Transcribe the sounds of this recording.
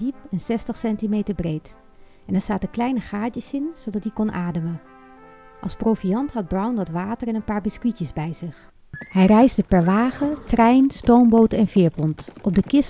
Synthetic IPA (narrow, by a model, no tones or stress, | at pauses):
dipɛnsɛstəχsɛntimejtəɹbrejt | ɛnɛɹsaːtəklɛjnəχaːd͡ʒəsɪnz̥odɑt̚dikɔnʔaːdəmə | ʔɑ̰lˠsprowfijɑntɦɑd̚brʌwnʋɑtʋaːtəɹɛnənpaːɹbɪskwicəzbɛjzɪχ | hɛjrɛjzdəpɛɹʋaːχətrɛjnstowmbowtɛnvɪːɹpɔntʔɔb̚dəkɪs